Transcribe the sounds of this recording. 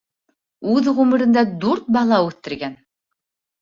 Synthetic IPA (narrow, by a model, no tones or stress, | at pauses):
ʉðʁʉmɘ̆ɾɘ̆nd̪æd̪uɾt̪̚bɑlˠɑʉθːɘ̆ɾɡæn